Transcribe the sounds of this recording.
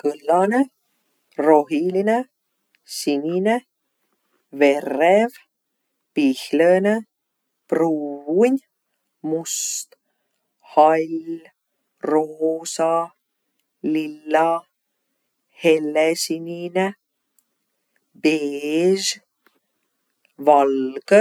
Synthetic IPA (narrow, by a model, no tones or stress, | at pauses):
kɤlːɑne | roɦiline | sinʲine | verːev | pihləne | pruːunʲ | must̪ | hɑlʲ | roːsɑ | lilːɑ | helːesinʲine | b̥eːʒ | vɑlkə